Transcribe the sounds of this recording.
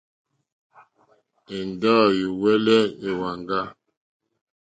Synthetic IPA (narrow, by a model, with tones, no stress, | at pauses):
e˨n˨da˦˨ju˨wɛ˦lɛ˦e˨wa˨ŋɡa˦